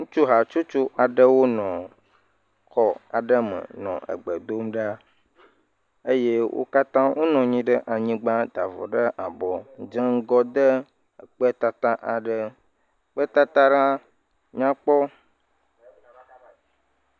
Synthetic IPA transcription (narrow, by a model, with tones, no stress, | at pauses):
ŋũ˦t͡ʃu˦ɦa˨t͡ʃu˦t͡ʃu˦ʔa˨ɖə˦wo˦nɔ̃˨ | kɔ˦a̰˨ɖə˦mə̰˨nɔ̰̃˨ʔə̰˨ɡ͡bə˨d̪o˦mɖa˦ | ə˦je˦wʔo̰˦ka˦t̪ã˦wʔo˦nɔ̃˨ɲĩ˦ɖə˦ʔa˨ɲĩ˦ɡ͡ba˦d̪a˨vɔ̰˨ɖə˦ʔa˨bɔ˨˦d͡ʒə˦ŋ˦ɡɔ˦d̪ə˦˨ | k͡pə˦t̪a˨t̪ã˦ʔa˨ɖə˦ | k͡pə˦t̪a˦t̪a˦ɖa˦ | ɲã˦k͡pɔ˦